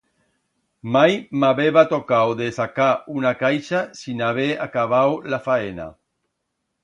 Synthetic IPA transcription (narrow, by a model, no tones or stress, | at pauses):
majmaβeβat̪okawðesakaunakajʃasinaβ̞ea̰kaβ̞awlafaena̰